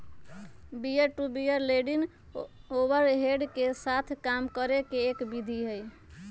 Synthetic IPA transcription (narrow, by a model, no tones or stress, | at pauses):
bijeʈubijəɾleɖin | obəɾɦeɖkesat̪ʰkamkəɾekeːkbid̪ʱiɦəj